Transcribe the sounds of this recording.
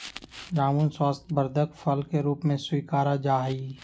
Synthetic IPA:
ɾaːmunswaːst̪ʰbəɾd̪ʱəkfʰɐlkeɾuːpmẽswiːkaːɾad͡ʒaːɦiː

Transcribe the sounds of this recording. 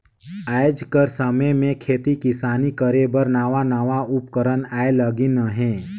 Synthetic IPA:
aːɪd͡ʒkəɾsəməjmẽkʰeːt̪ikɪsaːnikəɾebəɾnaːʋanaːʋaʊpkəɾənaːeləɡinəɦɛ̃ː

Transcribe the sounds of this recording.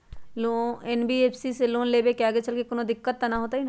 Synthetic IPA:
loɛːnbiːeːpʰsiseloːnleːbekɪaːɡet͡ʃəlkekʊnõd̪ɪkːət̪ːanaɦoːt̪aɦin

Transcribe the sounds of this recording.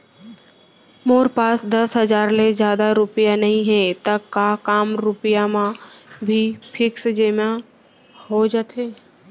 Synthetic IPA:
moːɾpaːsd̪ɐsɦəd͡ʒaːɾled͡ʒjaːd̪aɾʊpijanɐɦĩɦɛ̃t̪əkːakaːmɾʊpɪjamãbʱipʰɪksd͡ʒemã | hod͡ʒat̪ʰeː

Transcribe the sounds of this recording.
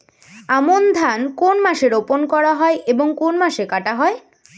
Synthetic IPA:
amond̪ʱankonmaʃeɾoponkɔɾaɦɔeʔeboŋkonmaʃekaʈaɦɔe

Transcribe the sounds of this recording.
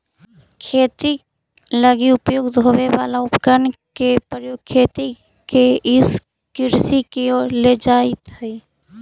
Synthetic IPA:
kʰeːt̪i | ləɡiʊpjoːɡd̪ʱoːʋeʋa̰ːlaʊpkənkepəjoːɡ̚kʰeːt̪i | keʔɪs | kɪɾsikeoːɾled͡ʒaːɪt̪ɦɛi

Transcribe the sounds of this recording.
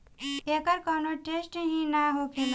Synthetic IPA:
ekəɾkɔnoʈesʈɦĩnaɦokʰen

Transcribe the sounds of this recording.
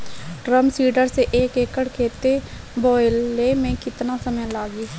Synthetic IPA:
ʈɾəmsiːɖəɾseʔːkeːkəɽkʰeːt̪e | bɔːɪlːemẽkɪt̪nasəməjlaːɡiː

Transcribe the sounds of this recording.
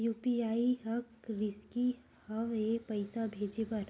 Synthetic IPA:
juːpiaːiɦɐkɾɪski | həʋeːpəɪsabʱeːd͡ʒepɐɾ

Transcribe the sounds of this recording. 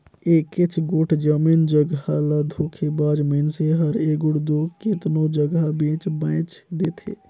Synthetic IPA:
eːkɪt͡ʃʰɡʊʈʰd͡ʒəmiːnd͡ʒəɡɦalad̪ʱoːkʰebaːd͡ʒmənseɦəɾeːɡʊɽd̪oːkɪt̪nõd͡ʒəɡabẽːt͡ʃbãːt͡ʃd̪eːt̪ʰḛː

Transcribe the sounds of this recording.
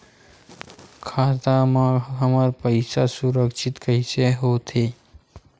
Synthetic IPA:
kʰat̪amãɦəmaɾpəjsasuɾəkʃɪt̪kəiseɦot̪ʰe

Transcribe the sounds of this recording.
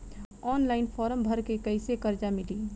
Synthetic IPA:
ɔːnlaːɪnpʰɔːɾəmbʱəɾkekəɪsekəɾd͡ʒamɪli

